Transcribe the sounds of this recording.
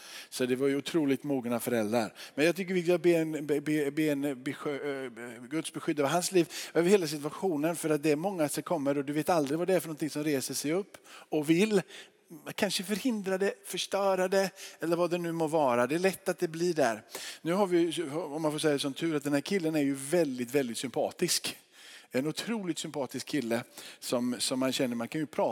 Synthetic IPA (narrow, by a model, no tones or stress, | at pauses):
sɔd̪ɛvaɾjɵʊt̪ʰɾuːlɪɡt̪muːɡnafœɾɛld̪ɾa̰ɾmɛnjɑɡt̪ʰʏk̬ːəɾvɪk̪ɪbeːnbeːbeːɛnbɛɧ | ɡɵt̪sbɛɧʏd̪ːɑːvɦansliːvœvɪheːlas̬ɪt̪ɵaɧuːnənfœɾat̪̚d̪ɛæɾmɔŋːasɛkʰɔmːəɾɔd̪ɵveːt̪ald̪ɾɪɡvad̪ɛæɾfœɾɳɔnt̪ʰɪŋsɔmɾeːsəʂɛjɵpːɔvɪlː | kʰanʂəfœɾhɪnd̪ɾad̪ɛfœʂʈœːɾad̪ɛɛlːəɾvad̪ɛnʉ̟ːmoɾvɑːɾad̪ɛːɭɛt̪ːat̪̚d̪ɛbliɖæ̰ɾnʉ̟ːɦaɾvɪjɔmːanfoːɾʂ̬ɛjaɛsɔmt̪ʰʉ̟ːɾat̪̚d̪ɛnhæːɾkʰɪlːənæɾjɵvɛld̪ɪt̪vɛld̪ɪt̪sʏmpʰɑ̰ːt̪ɪsk | ɛnʊt̪ʰɾuːlɪt̪sʏmpʰɑːt̪ɪskʰːɪlːəsɔmsɔmːanɕɛnːəɾmankʰanjɵpʰɾɑː